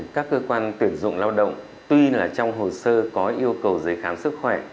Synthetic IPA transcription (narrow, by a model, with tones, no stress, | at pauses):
kaː˦˥kːəː˧kwaː˧nt̪wi˧˩ənzʊ̰˧˨ŋ͡mlaː˧wɗə̰˧˨wŋ͡m | t̪wi˧laː˨˩t͡ɕɔ˧wŋ͡mɦo˨˩səː˧kɔ˨˦ʔi˧əwkə˨˩wzə˨˦jxaː˨˦msɨ˦˥k̚xwɛ˧˩